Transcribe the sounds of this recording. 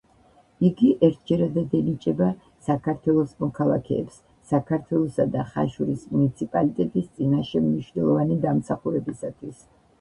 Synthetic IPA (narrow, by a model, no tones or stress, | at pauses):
iɡiʔɛɾt̪̚ʰd͡ʒɛɾad̪ad̪ɛnit͡ʃʼɛba | sakʰaɾt̪ʰwɛlˠɔsmɔkʰalˠakʰɛ̰ːpsː | akʰaɾt̪ʰwɛlˠɔsad̪aχa̰ʃuɾismunit̪sʰipʼalit̪ʼɛt̪ʼist̪sʼinaʃɛmniʃwnɛlˠɔvanid̪amsaχuɾɛbisat̪ʰwis